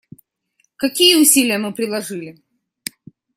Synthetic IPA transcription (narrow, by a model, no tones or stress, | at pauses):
kɐkʲijəʊsʲilʲɪjəmɨpɾʲɪlˠɐʐɨlʲɪ